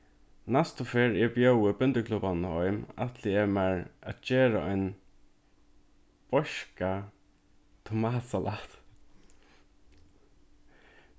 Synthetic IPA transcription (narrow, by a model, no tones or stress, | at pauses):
nast̪ʊfɪɹɛbjœwəbʏnt̪əkʰlʊbanɔʏma̰t̪ʰlɪɛmɛɹat̪d͡ʒeːɹaʔɔʏn | b̥ɔʃka | t̪ʰʊmaːsalʔaht̪